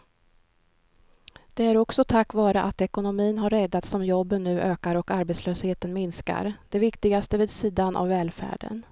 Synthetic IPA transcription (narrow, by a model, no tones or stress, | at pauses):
d̪̥ɛæɾɔksɔt̪ʰakːvɑːɾəʔat̪ɛkʊnʊmiːnɦaɾːɛd̪ːat̪sɔmjɔbːənːʉ̟ːʔøːkaɾɔkaɾbeɛt̪sløːsheːt̪ənmɪnska̰ɾd̪̥ɛvɪkt̪ɪɡast̪əveːd̪siːd̪anʔa̰vːɛːlfæ̰ːɖə̰n